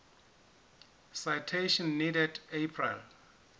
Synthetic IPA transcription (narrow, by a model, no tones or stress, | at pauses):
sajtʰeʃɔ̃nːidɛdepʰrḭl